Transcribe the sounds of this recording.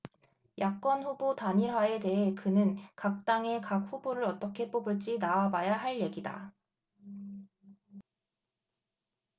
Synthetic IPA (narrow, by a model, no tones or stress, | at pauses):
jak͈ʌnɸubotaɲiɾwae̞te̞ɦe̞kɯnɯnkak̚t͈aŋe̞kak̚ɸuboɾɯɾʌt͈ʌkʰe̞p͈obuɭt͡ɕ͈inaabajaɦaɭje̞ɡida̰